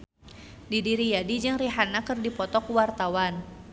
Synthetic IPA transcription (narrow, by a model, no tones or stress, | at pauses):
didiɾijadid͡ʒɨŋriɦanakərdipɔt̪ɔkuwart̪awan